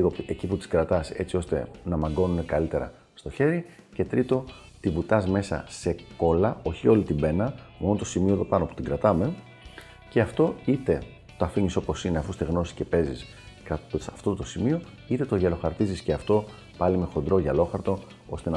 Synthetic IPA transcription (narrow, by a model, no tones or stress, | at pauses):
ɣoeciput̪i̥skɾɐt̪ɐse̞t͡sio̞st̪e̞̰nɐmɐɡo̞nune̞kɐlit̪e̞ɾɐ̰ | st̪o̞çe̞ɾi | ce̞t̪ɾit̪o̞ | t̪ivut̪ɐzme̞sɐ̰se̞ko̞lɐo̞çio̞lit̪ibe̞nɐmo̞not̪osimio̞eðopɐno̞pu̥t̪iŋɡɾɐt̪ɐme̞ | ce̞ɐft̪o̞it̪e̞ | t̪oɐfiɲiso̞po̞sineɐfust̪e̞ɣno̞si̥sce̞pe̞zis | kɐsɐft̪ot̪o̞simio̞ | it̪e̞t̪oʝɐlo̞xɐɾt̪izisceɐft̪o̞ | pɐlime̞xo̞nd̪ɾo̞ʝɐlo̞xɐɾt̪o̞ | o̞st̪e̞n